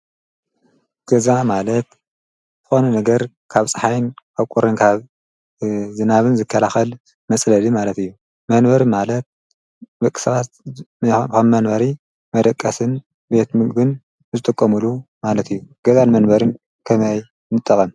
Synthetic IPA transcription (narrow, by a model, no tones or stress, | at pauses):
ɡ̥ɐzamalɐt̪ | zɨxonunɐɡɐɾ | kʰaβsʼɨħajnaβkʼuɾɨnkʰaβ | zɨnaβɨnzɨkʰːɐlaxɐl | mɐsʼlɐlimalɐt̪ɨjːu | mɐnbɐɾmalɐt̪̚ | bɐkʼi̥sɐβat̪ | xɐmmɐnbɐɾi | mɐd̪ɐkʼːɐsɨn | be̞t̪mɨɡd̪ɨn | zɨt̪ʼɨkʼːɐmulumalɐt̪ʰɨjːuɡ̥ɐzanmɐnbɐɾɨn | kʰɐmɐj | nɨt̪ʼːɐkʼɐm